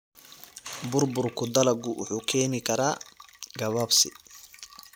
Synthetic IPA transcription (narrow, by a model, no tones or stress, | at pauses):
bʊrbʊrkʰʊd̪ɐlɐɡʊwʊħuːkʰɛːnɪkʰɐɾaːɡɐβaːbsɪ̰